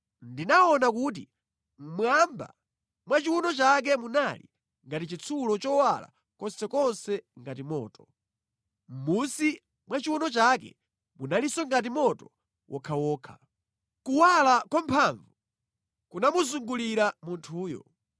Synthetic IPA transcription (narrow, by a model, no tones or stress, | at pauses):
ndinaɔnak̬ut̬i | m̩mwamba̰ | mwat͡ʃiwunɔt͡ʃak̬ɛmunalḭ | ŋɡatit͡ʃit͡sʰulɔt͡ʃɔwala̰ | kɔnsɛkɔnsɛŋɡat̬imɔ̰ːtɔ̥ | m̩musi | mwat͡ʃiwunɔt͡ʃakɛ̰ | munalisɔŋɡat̬imɔtɔ | wʔɔkʰawɔːkʰa | kuwalakwɔmpʰaɱvu | kunamuzuŋɡuliɾamuntʰuːjɔ̰